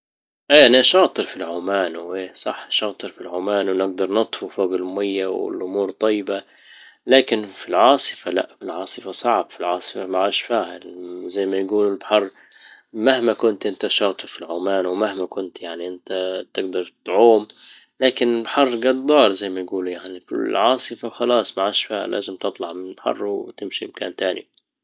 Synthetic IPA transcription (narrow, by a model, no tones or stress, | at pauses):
ʔaːʔaniʔaʃɑːt̪ˤɨɾfilʕʊmaːnwʔeːsˤɑħaʃɑːt̪ˤɨɾfilʕʊmaːnwnɪɡ̚d̪ɑɾˤnɑt̪ˤfufoːɡɪlmʊmajːawɪ̰lʔʊmuːɾt̪ˤɑjːɪba | laːkɪnfilʕɑːsˤɨ̥fala̰ʔfilʕɑːsˤɨfasˤɑʕbfilʕɑːsˤɨ̥famaʕaːʃfaːhalzajːmajɡuːlɪlbħɑrˤː | mahmakʊnt̪ʔɪnt̪aʃɑːt̪ˤɨfilʕʊmaːnwmahmakʊnt̪jaʕniʔɪnt̪at̪ɪɡd̪ɑɾˤt̪ʕuːm | laːkɪnɪlbħɑrˤːɡɑd̪̚ˤdˤɑːɾˤzajːmajɡuːlujaʕnifḭlʕɑːsˤɨfaxɑlɑːsˤmaʕaʃfaːha̰lʔa̰ːzɪmt̪ɨt̪ˤlɑʕmɪnɪlbħɑ̰rˤːwt̪ɪmʃiɪmka̰ːnt̪aːnḭ